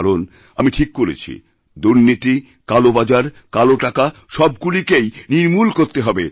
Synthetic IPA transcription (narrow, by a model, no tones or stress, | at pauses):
ɾon | amiʈʰikːoɾḛt͡ɕʰḭ | d̪uɾnit̪i | kalobad͡ʑaɾ | kaloʈakaʃɔbɡulikejniɾmulkoɾt̪eɦɔbe